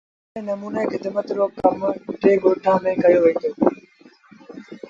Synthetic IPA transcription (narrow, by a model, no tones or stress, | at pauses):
ẽːnɐmuːnəexɪd̪mət̪ɾoːkɐmʈeːɡoːʈʰãːmẽːkɐjoːʋeioː